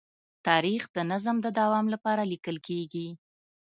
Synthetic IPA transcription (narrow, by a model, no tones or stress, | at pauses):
t̪ɑɾixd̪ənazəmd̪əd̪awɑmlapɑɾalikəlkʰeɡi